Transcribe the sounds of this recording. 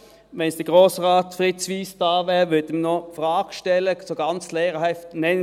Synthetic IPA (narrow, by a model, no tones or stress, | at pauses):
ʋɛnsd̥ɛɡ̥ʁoːsʁɑːt̪fʁɪtsʋiːsd̥̪ɑːʋɛːʋʏɐd̪əmənɔfʁɑːɡ̥ʃtɛlːəsoɡɑnt͡slɛːʁəhɛftnɛn